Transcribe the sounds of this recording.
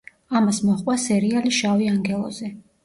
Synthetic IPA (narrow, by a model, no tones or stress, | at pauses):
amasmɔχʼwasɛɾialiʃaviaŋɡɛlˠɔ̰zɛ